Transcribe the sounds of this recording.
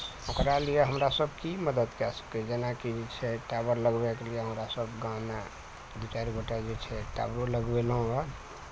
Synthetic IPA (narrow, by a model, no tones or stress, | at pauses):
okɾalijeɦəmɾasəbʱkiməd̪əd̪kɛsə̥kɛd͡ʒenakid͡ʒet͡ʃʰɛʈabəɾləɡbɛkelijeɦəmɾasəbɡãna | d̪ut͡ʃaɾiɡʱoʈad͡ʒet͡ʃʰɛʈa̰bɾoləɡbeləɦũə